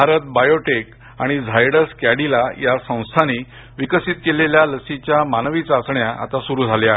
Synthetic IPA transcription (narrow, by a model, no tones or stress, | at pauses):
aɾət̪̚bajoʈek | aɽ̃id͡zʱajɽəɾskjaɽilajasə̃w̃st̪ʰani | ʋikəsit̪keleljaləsit͡ɕjamanəʋit͡sasɳjaʔa̰t̪asuɾuːd͡zʱaleaɦe